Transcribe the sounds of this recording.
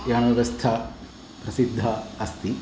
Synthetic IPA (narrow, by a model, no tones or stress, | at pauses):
jaːnɐʋɐst̪ʰɐ | pɾɐsid̪ʱːɐɐst̪i